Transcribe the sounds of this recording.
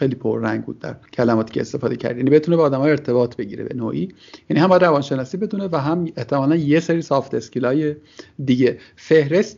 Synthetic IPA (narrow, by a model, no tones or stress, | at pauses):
xejliːpʰo̰ɾːæŋɟbṵd̪ːæ̰ɾcʰælæmɒːt̪ʰiːcʰe̞ːst̪e̞fɒːd̪ecʰæ̰ɾd̪jænibe̞t̪ʰunebeːd̪æmɒːjeɾt̪ʰe̞bɒːt̪ʰbe̞ɟḭːɾebe̞̰noːʔi | jænihæmbɒjæd̪ɾævɒnʃe̞nɒːsiːbe̞d̪unevæɦæmeht̪ʰe̞mɒːlænjeseɾiːsɒːft̪ʰescilɒːjed̪iːɟe | fe̞hɾe̞st̪